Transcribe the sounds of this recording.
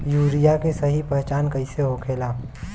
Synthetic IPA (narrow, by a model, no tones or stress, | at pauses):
juːɾijakesɐɦipɛɦt͡ʃaːnkəɪseɦokʰeːlaː